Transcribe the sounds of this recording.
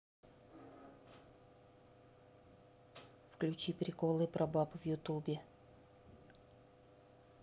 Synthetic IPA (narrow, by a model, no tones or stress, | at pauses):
fklʲʉt͡ɕipɾʲɪkolˠɨpɾɐbapɨvjʊt̪ubʲɪ